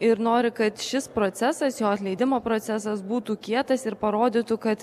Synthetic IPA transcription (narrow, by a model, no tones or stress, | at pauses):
ɪɾnoːɾʲɪkɐt̪ʃʲɪspɾoːt̪sʲɛsɐsjoːɐt̪ʲlʲɛɪd̪ʲɪmoːpɾot̪sʲɛsɐsbuːt̪uːkʲiɛt̪ɐsɪɾpɐɾoːd̪ʲiːt̪ukɐt̪